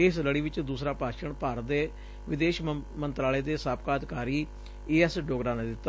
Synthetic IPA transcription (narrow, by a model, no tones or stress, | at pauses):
eːsləɽiːʋɪt͡ʃd̪uːsɾaːpaːʃəɳpaːɾd̪eː | ʋɪd̪eːʃmənt̪ɾaːleːd̪eːsaːp̚kaːd̪ɪkaːɾiː | eːɛsɖoːɡɾaːneːd̪ɪt̪ːa